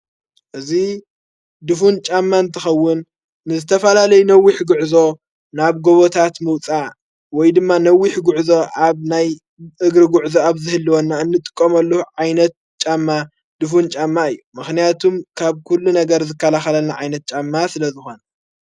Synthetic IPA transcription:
ʔɨzi | d̪ɨfunt͡ʃʼamːaɨnt̪ʰɨxɐwːʊnː | ɨzɨt̪ʰɐfɐlalɐjunɐwːiħɡuʕzo̞ | naβɡoβot̪ʰat̪mɨwt͡sʼa | wɔjd̪ɨmːanɐwːiħɡuʕzo̞aβnaj | ʔɨɡɾɨɡuʕzoaβzɨhɨlːiwonːaɨnːɨt̪ʼɨ̥kʼːomɐlːuhuʕajnɐt̪̚ | t͡ʃʼamːa | d̪̥ɨfunt͡ʃʼamːaɨjːumɨxnijat̪ʰumkʰaβkʰulːunɐɡɐɾzɨkʰːɐlaxɐlɐlnaʕajnɐt̪̚t͡ʃʼamːasɨlɐzɨxo̞nɐ

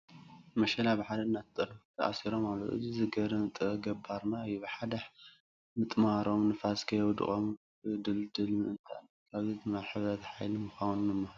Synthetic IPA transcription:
mɐʃɐlabɨħad̪ɐnːat̪t̪ʼɨɾt̪ʰɐ̰ʔa̰siɾomalːot̪ʔɨ̰zizɨɡɐɾɐmt̪ʼɨɡɐbːaɾnajibɨħad̪aħ | mɨt̪ʼmaɾo̞mnɨfaskʰɐjwɔd̪ɨ̰χʼom | d̪ɨld̪ɨlmɨnt̪ʰaʔnː | kʰaβzizɨnaħɨβɾɐt̪ħajlimɨxawnnɨmːɐh

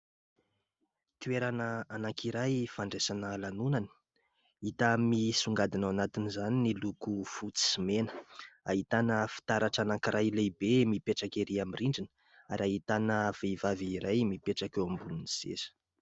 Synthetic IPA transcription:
t̪ueɾanəːnakʰiɾajfaɳɖ͡ʐesanəlanunani̥ | it̪amisuŋɡad̪inawanat̪inizaninilukufut͡si̥simenə̥aɦit̪anəfi̥t̪aɾaʈ͡ʂanaŋkɾajlejbemipeʈ͡ʂakeɾiamiriɳɖ͡ʐinə̥ | aɾaɦit̪anəv̥evaviːɾajmipeʈ͡ʂakewambulunisḛsə̥

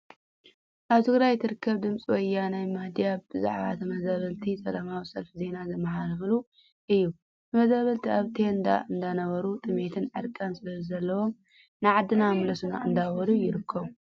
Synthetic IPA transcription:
ʔaβt̪ʰɨɡɾajt̪ʰɨɾɨkʰːɐβd̪ɨmt͡sʼiwɐjːanajmad̪ijabɨza̰ʕβa̰t̪ʰɐmɐzaβɐlt̪ʰisʼɐlamawisɐlfze̞nazɐmːɐɦalɨflu | ʔɨjːu | t̪ʰɐmɐzaβɐlt̪ʰiaβt̪ʰend̪a̰ʔɨnd̪anɐβɐɾut̪ʼɨme̞t̪ʰɨnʕɨɾkʼansɨlɐzɐlːɐwo̞m | nɨjʕad̪ːɨnamlɐsuna̰ʔɨnd̪awɔlujɪɾɨkʰːɐβu

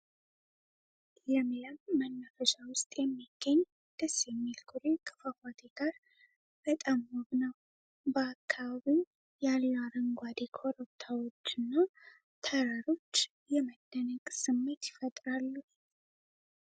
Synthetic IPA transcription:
jɛmiləmːənːəfəʃawʊst̪ʼjɛmːiɡ̥ːəɲː | d̪̥əsːjɛmːilkʰuɾekʼʰɨ̥fəkat̪ʰeɡ̥aɾ | bət̪ʼamːoβnəw | bəakʰːaβaβi | jalːaɾəŋɡʷad̪ekʰo̞ɾəp̚t̪ʰawo̞t͡ʃːɨnːa | t̪ʰəɾaɾo̞t͡ʃː | jɛməd̪̥ːənəkʼsɨmːe̞t̪jɪfət̪ʼɾalːu

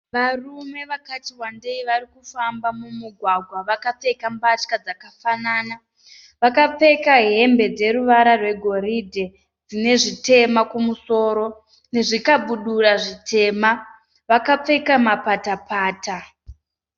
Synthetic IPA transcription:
ʋarume̞ʋakatiwandeiʋaɾikufambamumuɡʱwaɡʱwaʋakap͡fe̞kambat͡ʃkad͡zakafanaːna | ʋakap͡fe̞kaɦe̞mbe̞d͡ze̞ɾuʋaɾarwe̞ɡʱo̞ɾidʱe̞ | d͡zine̞ʐite̞makumuso̞ːɾo̞ | ne̞ʐikaɓuɗuraʐitʰe̞ma | ʋakap͡fe̞kamapatapʰaːta

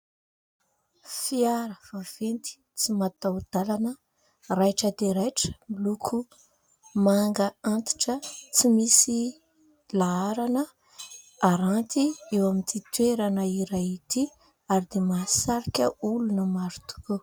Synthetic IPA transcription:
fiaɾəvav̥ent̪i̥ | t͡simat̪awd̪̥alanə | rajʈ͡ʂəd̪eɾajʈ͡ʂə̥milukʰu | maŋɡəant̪i̥ʈ͡ʂət͡simisi | laaɾanə | aɾant̪iewamint̪it̪weɾanəiɾait̪i | aɾid̪emasaɾikʲəulunəmaɾut̪u̥ko

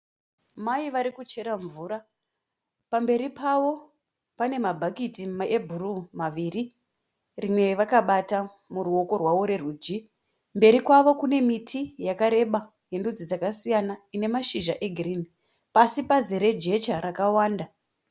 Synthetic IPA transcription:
maiʋaɾikut͡ʃe̞ɾaɱvuːɾa | pambe̞ɾipaʋo̞ | pane̞mabʱakitiaebʱurumaʋiːri | rimwe̞ʋakaɓata | muɾuo̞ko̞rwaʋo̞ɾe̞ruːd͡ʒi | mbe̞ɾikwaʋo̞kune̞mitʰijakaɾe̞ɓa | je̞ndud͡zid͡zakasijanaine̞maʃiʒaʔe̞ɡʱirini | pasipazeɾe̞d͡ʒe̞t͡ʃaɾakawaːnda

